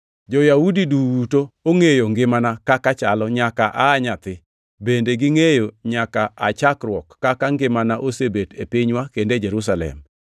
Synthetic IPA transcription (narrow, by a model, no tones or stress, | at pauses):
d͡ʒɔjaudidutooŋejoŋɡɪmanakakat͡ʃalɔɲakaʔaːɲat̪ɪ | bendeɡɪŋejoɲakaʔat͡ʃakɾwɔkːakaŋɡɪmanaʔosebetepiɲwakended͡ʒeɾus̬alɛ̰m